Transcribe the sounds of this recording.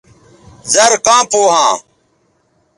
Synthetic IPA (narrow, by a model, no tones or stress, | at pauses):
zɐɾkãːpoːɦãː